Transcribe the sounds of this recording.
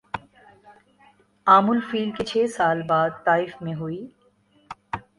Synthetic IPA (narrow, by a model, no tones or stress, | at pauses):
aːmʊlfiːlket͡ʃʰeːsaːlbaːd̪̚t̪aːɪfmẽɦuiː